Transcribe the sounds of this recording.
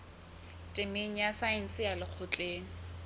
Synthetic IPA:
tʼɪmeŋ̩jasaɪn̩sɪjalɪq͡χʰʊt͡ɬʼeːŋ̩

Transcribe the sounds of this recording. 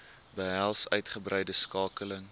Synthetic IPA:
bəɦælˠsœ̰ɥtχəbrɛjdəskɑːkələŋ

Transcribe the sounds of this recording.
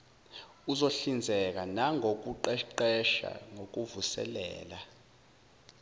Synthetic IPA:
uzoɬind͡zʱɛk̬anaŋʱok̬uǃɛǃɛʃa̰ŋok̬uvusɛ̰lɛ̰ːla

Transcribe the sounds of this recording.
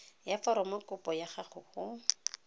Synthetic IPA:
jafɔɾɔmɔkʊpɔjaχaχʊχʊ

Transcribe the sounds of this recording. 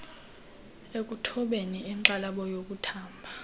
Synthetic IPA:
ek̬ʼutʰɔɓeniɛŋǁalaɓɔjok̬ʼutʰaːmbʱa

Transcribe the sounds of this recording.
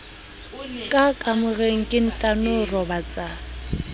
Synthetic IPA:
kʼakʼamʊɣeŋ̩kʼɪn̩tʼanʊrɔbat͡sʼa

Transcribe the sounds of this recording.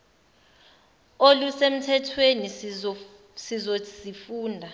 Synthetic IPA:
olusem̩tʰɛtʰweni | sizo̥sifuːndʱa

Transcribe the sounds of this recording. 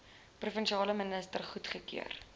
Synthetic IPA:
prufənʃiɑːləmənəstərχutχəkḭər

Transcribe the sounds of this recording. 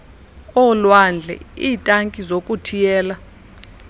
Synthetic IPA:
ɔlwand͡ɮʱɛ̰iːtʼaŋkʼizokʼutʰijɛːla

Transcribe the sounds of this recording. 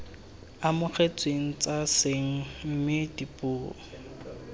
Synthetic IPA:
amʊk͡xet͡sʼweŋ̩t͡sʼaseŋ̩m̩mɪdipʼʊːɔ̰

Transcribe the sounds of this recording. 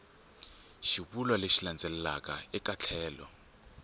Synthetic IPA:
ʃiβulwaleʃiland͡zʱɛlɛlakaɛk̬ʼat͡ɬʰɛːlɔ̰

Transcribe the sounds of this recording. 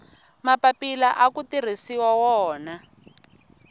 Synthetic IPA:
mapapilaʔakutir̤isiwawɔːna

